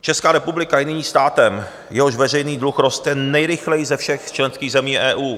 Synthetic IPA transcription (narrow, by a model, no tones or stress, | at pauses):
t͡ʃɛskaːɾɛpublɪkajɪnɪɲiːst̪aːt̪ɛm | jɛɦoʃvɛr̝ɛjniːdluxɾost̪ɛnɛjɾɪxlɛjɪzɛfʃɛxt͡ʃlɛnskiːɣzɛmiːʔɛːʔuː